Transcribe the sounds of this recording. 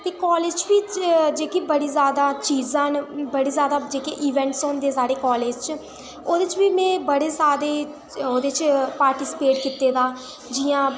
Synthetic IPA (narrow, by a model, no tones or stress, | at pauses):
t̪eːkɔːleːd͡ʒt͡ʃʋiːd͡ʒeːkiːbəɽiːzjaːd̪aːt͡ʃiːz̃ːənbəɽiːzjaːd̪aːd͡ʒeːkeʔiːʋɛ̃ːɳʈsoːnd̪eːsaːɽeːkɔːleːd͡ʒt͡ʃ | oːd̪ɪt͡ʃʋiːmɛ̃ːbəɽeːsaːd̪eː | oːd̪et͡ʃpaːɾʈiːsɪ̥peːʈkɪt̪ːeːd̪aː | d͡ʒɪːãː